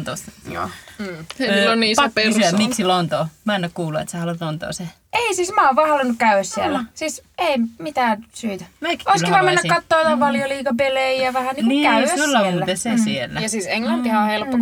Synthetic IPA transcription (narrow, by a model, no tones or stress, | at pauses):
t̪osjo̰ː | lːonniːspɑpːysyæmiksilont̪oːmænːækkuːluḛt̪sehɑlut̪lont̪o̰ːse | ʔeisiːsmæˑoʋʋɑːhɑlunːukkæyæssielːæsiːseimit̪æːnsyːt̪æmækoˑislːiɑmenːækkɑt̪ːoːt̪opɑljoliːkɑpelejæʋæhæniniːæsæulːɑuːt̪esesielːæjɑsiːseŋlɑntt̪ihæohelpːo